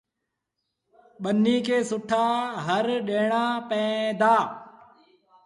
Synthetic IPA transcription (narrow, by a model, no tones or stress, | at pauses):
ɓənːiːkeːsʊʈʰaːɦəɾɗeːɳãːpɛ̃ːd̪aː